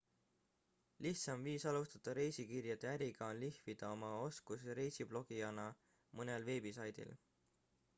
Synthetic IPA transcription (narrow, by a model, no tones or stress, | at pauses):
liht̪sɑmviːsɑlust̪ɑt̪ːˑɑɾe̞jsikirjɑd̪eæɾiɡ̥ɑonlihvid̪̥ɑo̞mɑo̞skus̬ɾe̞jsib̥lo̞ɡ̥iɑnɑ | mɤnelve̞ːbisɑjd̪̥ḭl